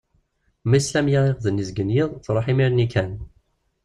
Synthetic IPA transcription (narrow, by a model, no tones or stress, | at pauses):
mæslæmjaɪqðənːizɡənjiðˤt͡sːɾˤoħimiɾnikʰæn